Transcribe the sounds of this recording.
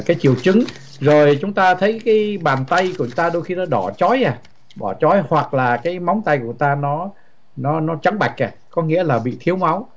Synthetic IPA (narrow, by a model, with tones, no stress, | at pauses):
kaː˨˦jt͡ɕi˧˩əwt͡ɕɨ˨˦ŋ | zo˨˩jt͡ɕʊ˨˦ŋ͡mt̪aː˧t̪ʰə˨˦jkaː˨˦jɓaː˨˩nt̪a˧jku˨˧˩ət͡ɕʊ˨˦ŋ͡mt̪aː˧ɗo˧jxi˧nɔ˨˦ɗɔ˧˩t͡ɕɔ˨˦jʔaː˨˧˩ | ɗɔ˧˩t͡ɕɔ˨˦jhwa˨˩k̚laː˨˩kaː˨˦jma˨˦wŋ͡mt̪a˧jku˧˩ət̪aː˧nɔ˨˦ | nɔ˨˦nɔ˨˦t͡ɕa˨˦ŋɓa˨˩jk̟̚ʔaː˨˩kɔ˨˦ŋḭ˧˥əlaː˨˩ɓḭ˧˨t̪ʰi˨˦əwma˨˦w